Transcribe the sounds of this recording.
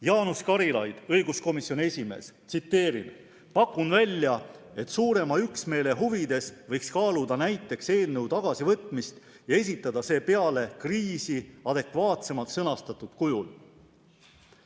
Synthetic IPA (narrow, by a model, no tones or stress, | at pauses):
jɑːnuskɑɾilɑjd̪̥ɤjɡusko̞misjo̞nie̞sʲime̞̰ːst̪sit̪ːe̞ːɾḭn | pɑkːˑunvælʲːjɑ | e̞t̪ːˑsuːɾe̞mɑyksme̞ːle̞ɦuvid̪̥e̞svɤjkskɑːlud̪ɑnæjt̪ːˑe̞kse̞ːlneut̪ɑɡ̥ɑsivɤt̪ˑmist̪ | jɑe̞s̬ʲit̪ˑːɑd̪̥ɑse̞ːpe̞ɑle̞kriːsiɑd̪̥e̞kvɑːt̪se̞mɑlt̪sɤnɑst̪ɑt̪ˑud̪̥kujul